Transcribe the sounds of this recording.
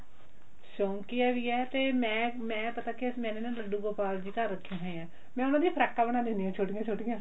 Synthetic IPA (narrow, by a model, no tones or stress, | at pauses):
ʃõːŋkiaːʋiːɛːt̪eːmɛ̃ːmɛ̃ːpət̪aːkɪsmɛ̃ːneːnãːdəɖuːɡoːpaːld͡ʒiːkəɾːəkʰːãːɦɛ̃ːjãː | mɛ̃ːʊnãːd̪ipʰəɾaːkːaːbəɽ̃ãːd̪end̪iːãːt͡ʃʰoːʈɪjãːt͡ʃʰoːʈɪjãː